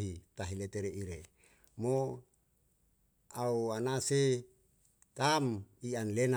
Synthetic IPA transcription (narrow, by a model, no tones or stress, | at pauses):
ɦit̪aɦilet̪eɾeiɾe | mo | auanase | t̪amianlena